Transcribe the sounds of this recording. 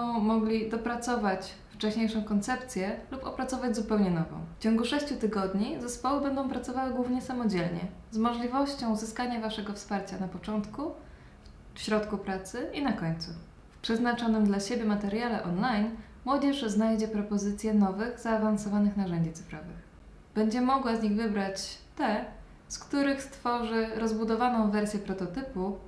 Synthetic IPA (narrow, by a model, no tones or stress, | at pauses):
ɔ̃w̃mɔɡlʲid̪ɔpɾat̪sɔvat͡ɕ | ft͡ʂɛɕɲejʂɔ̃w̃kɔnt̪sɛpt̪sʲjɛlupɔpɾat̪sɔvad͡ʑʲzupɛwɲɛnɔvɔ̰̃w̃ft͡ɕɔŋɡuʂɛɕt͡ɕut̪ɘɡɔd̪ɲizɛspɔwɘbɛnd̪ɔ̃w̃pɾat̪ɔvawɘɡwuvɲɛsamɔd͡ʑɛlɲɛ̰ | zmɔʐlʲivɔɕt͡ɕɔ̃w̃zɘskaɲavaʂɛɡɔfspaɾt͡ɕanapɔt͡ʂɔnt̪ku | fɕɾɔt̪kupɾat̪sɘinakɔɲt̪su | fpʂɛznat͡ʂɔnɘmd̪laɕebʲjɛmat̪ɛɾjalɛʔɔnlajn | mwɔd͡ʑɛʂznajd͡ʑɛpɾɔpɔzɘt̪sʲjɛnɔvɘɣzaːvansɔvanɘxnaʐɛɲd͡ʑit̪sɘ̥fɾɔvɘ̰x | b̥ɛɲd͡ʑɛmɔɡwazɲiɣvɘbɾat͡ɕt̪ɛ | skt̪uɾɘxst̪fɔʐɘɾɔzbud̪ɔvanɔ̃w̃vɛɾsʲjɛpɾɔt̪ɔt̪ɘpu